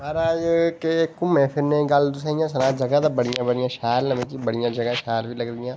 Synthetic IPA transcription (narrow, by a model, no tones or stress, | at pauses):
aːɾaːjkeɪkːũːmɛ̃ːpʰɪɾnẽːɡəld̪ʊsãːɪjãːsənãːd͡ʒəɡãːd̪ãːbəɽɪjãːbəɽɪjãːʃaːlnəmẽːkiːbəɽɪjãːd͡ʒəɡãːʃaːlʋiːləɡd̪ɪjãː